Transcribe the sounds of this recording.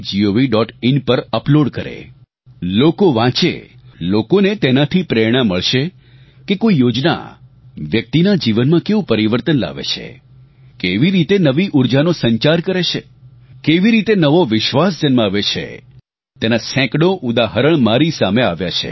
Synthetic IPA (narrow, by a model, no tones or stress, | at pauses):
d͡ʒioʋiɖɔʈɪnpəɾəploɖkəɾḛ | lokoʋãt͡ʃḛlokonet̪enat̪ʰipɾeɾɽ̃aməɭʃe | kekoijod͡ʒna̰ | ʋjək̚t̪inad͡ʒiʋənmãkeʋũpəɾiʋəɾt̪ənla̰ʋḛt͡ʃʰḛ | keʋiɾit̪enəʋiʔuɾd͡ʒanosə̃ɲt͡ʃaɾkəɾet͡ʃʰe | keʋiɾit̪enəʋoʋɪʃʋasd͡ʒənmaʋet͡ʃʰḛ | t̪enasɛ̃kɽoʔud̪aɦəɾəɳ̃maɾisameaʋjat͡ʃʰḛ